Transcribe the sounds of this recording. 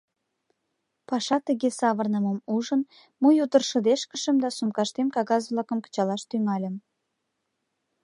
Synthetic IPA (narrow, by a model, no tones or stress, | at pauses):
pɑʃɑt̪əɣesɑβərnəməmuʒən | mujud̪ərʃə̆d̪eʃkəʃəmd̪ɑsumkɑʃt̪emkɑɣɑzβlɑkə̆mkə̥t͡ɕɑlɑʃt̪yŋɑlʲə̆m